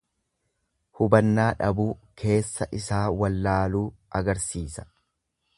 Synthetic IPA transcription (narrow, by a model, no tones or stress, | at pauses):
hʊbɐnːaːᶑɐbuːkʰe̞ːsːɐʔɪsaːwɐlːaːluːʔɐɡɐɾsiːsɐ̥